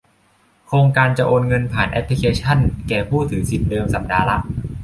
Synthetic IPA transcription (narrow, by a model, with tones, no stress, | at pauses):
kʰɾoː˧ŋkaː˧nt͡ɕa˨˩ʔoː˧nŋɤ˧npʰaː˨˩nʔɛ̰˦˥pʰli˦˧kʰeː˧t͡ɕʰa˥˩nkɛː˨˩pʰuː˥˩t̪ʰɯː˩˦si˨˩t̪̚dɤː˧msa˨˩˦p̚daː˧la˦˥ʔ